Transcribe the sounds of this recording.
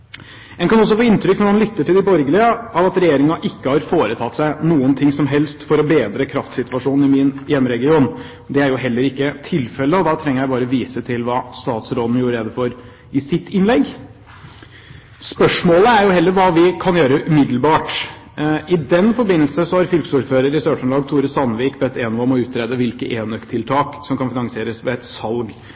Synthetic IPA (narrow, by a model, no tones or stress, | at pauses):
ɛnkɑnɔs̬ːɔfoːɪnt̪ɾʏknɔmɑnlʏt̪ːəʈʰɪld̪ɪbɔɾɡəlɪəɑʋɑt̪ɾɛjeːɾɪŋɑʔɪkːəhɑɾfoːɾət̪ʰɑt̪ːsæɪnuːənt̪ʰɪŋsɔmɦɛlst̪fɔɾɔbeːd̪ɾəkʰɾɑft̪sɪt̪ʋɑʂuːnn̩ɪmɪnjɛmːəɾɛɡɪuːn | d̪ɛæɾjʊɦɛlːəɾɪkːət̪ʰɪlfɛlːəɔd̪ɑt̪ʰɾɛŋəɾjæɪbɑːɾəʋiːsət̪ʰɪlʋɑːst̪ɑːt̪sɾoːd̪n̩juːɾəɾeːd̪əfɔɾ | ɪsɪt̪ːɪnlɛɡː | spœʂmoːləæɾjʊhɛlːəɾʋɑːʋɪkʰɑnjøːɾəʔʉmɪd̪l̩bɑːʈ | ʔɪd̪ɛnfɔɾbɪnːəlsəsɔhɑɾfʏlksuːɾføːɾəɾɪst̪øːʂənlɑːɡt̪ʰuːɾəsɑnʋiːkbɛt̪ːeːnʋɑmɔʉːt̪ɾeːd̪əʋɪlkəʔeːnœkt̪ʰɪlt̪ʰɑːksɔmkʰɑnfɪnɑŋsɪeːɾəsʋɛɛt̪sɑlɡ